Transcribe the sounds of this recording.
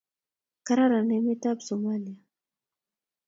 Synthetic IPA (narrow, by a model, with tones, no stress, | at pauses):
ka˦ɾa˦ɾa˨ne˦mi˦t̪a˦bsomalija˨